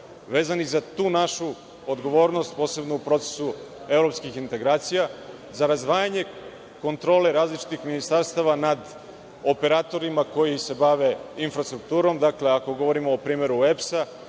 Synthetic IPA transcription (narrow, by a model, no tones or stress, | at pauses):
ʋe̞ːzanixzat̪uːnaʃu | od̪ɡo̞ʋo̞ːɾno̞st̪̚po̞ːse̞bnoupɾo̞t̪se̥su | e̞vɾo̞pskixint̪e̞ɡɾaːt̪sija | zaɾazd̪ʋaːjaɲe̞ | ko̞nt̪ɾo̞ːle̞ɾaːzlit͡ʃi̥t̪ixminist̪aɾst̪aʋanad̪ | o̞pe̞ɾaːt̪o̞ɾimako̞jise̞baʋe̞infɾast̪ɾuk̚t̪uːɾo̞md̪akle̞ako̞ɡoʋo̞ɾimoːpɾiːme̞ɾuepsa